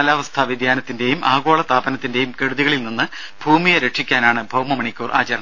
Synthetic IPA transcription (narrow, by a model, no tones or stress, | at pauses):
ɐlaːʋɐst̪ʰɐʋid̪ʱjaːnɐt̪ːinde̞jumʔaːɣo̞ːɭɐst̪aːbɐnɐt̪ːinde̞jumke̞ɽuðiɣɐɭilninːɨ | bʱuːmijɐɾe̞ʈʂikʲːaːnaːɳɨbʱɐwmɐmɐɳikʲːuːrʔa̰ːt͡ɕɐɾɐɳɐ